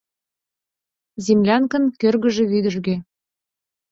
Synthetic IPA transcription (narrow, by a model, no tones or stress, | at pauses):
zimlʲɑnkə̆nkørɣə̆ʒĕβyd̪ə̆ʒɣe